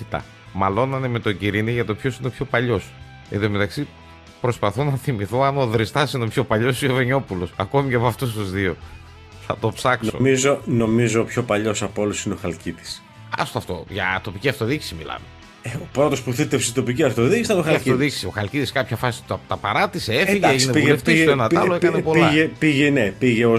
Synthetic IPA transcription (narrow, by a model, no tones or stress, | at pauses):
it̪ɐ̰ | mɐlo̞nɐnemet̪o̞ɟiɾiniʝɐt̪o̞pço̞sineopçopɐʎo̞s | eðome̞t̪ɐksi | pɾo̞spɐθo̞nɐθimiθoɐnoðɾist̪ɐsino̞pço̞pɐʎo̞sioveɲo̞pulo̞sɐko̞miceɐpoɐft̪us̬t̪uzðio̞ | θɐt̪opsɐkso̰mizono̞mizo̞pço̞pɐʎo̞sɐpoolusineoxɐlcit̪i̥s | ɐ̰st̪oɐft̪o̞̰ʝɐ̰t̪o̞piciɐft̪o̞ðiksimilɐ̰me | epɾot̪o̞spuθit̪efsit̪o̞piciɐft̪oðicisiɐnoɐɐft̪oðiksio̞xɐlciðiskɐpçɐfɐsi̥t̪ɐpɐɾɐt̪iseeiʝeeʝineiɣeft̪isoenɐt̪ɐloekɐnepolɐʝepiʝenepiʝeo